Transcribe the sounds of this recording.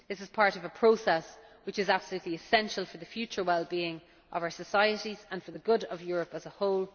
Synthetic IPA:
ðɪsɪz̥pʰaɹɾəvəpʰɹ̥oʊsɛswɪt͡ʃɪzab̥səlʉːˑtʰliɪsɛ̃nʃəlˠfə˞ðəfjʉt͡ʃə˞wɛlˠbiːɪ̃ŋ | ʔə̰vaʊə˞səsaɪəɾizə̃nfə˞ðəɡʊɾəvjɔːɹəpəzəhoʊlˠ

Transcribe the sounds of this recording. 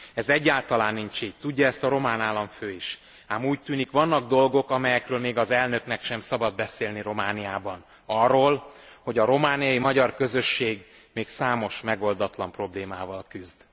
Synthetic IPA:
ɛzɛɟːaːlt̪ɒlaːnːiɲt͡ʃiːct̪uɟːɒɛst̪ɒɾo̞maːnaːlːɒɱføːiʃ | aːmuːc̚t̪yːnikʋɒnːɒɡ̚d̪o̞lɡo̞kɒmɛjɛkrøːlmeːɡɒzɛlnø̞knɛkʃɛmsɒbɒd̪̚bɛseːlniɾo̞maːnijaːbɒn | ɒrːoːlho̞ɟɒɾo̞maːnijɒjimɒɟɒrkø̞zø̞ʃːeːɡ | meːksaːmo̞ʃmɛɡo̞ld̪ɒt̪lɒmpro̞bleːmaːvɒlkyzd̪

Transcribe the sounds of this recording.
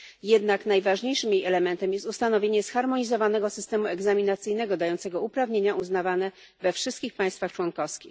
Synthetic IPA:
jɛd̪nakn̪ajvaʐɲejʂɘmjejɛlɛmɛnt̪ɛmjɛst̪ust̪anɔvʲeɲɛsxaɾmɔɲizɔvanɛɡɔsɘ̥st̪ɛmuɛɡzamʲinat̪sɘjnɛɡɔd̪ajɔnt̪sɛɡɔupɾavɲeɲaʔuznavanɛ | vɛfʂɘst̪̚kʲixpaj̃st̪faxt͡ʂwɔnkɔfskʲix

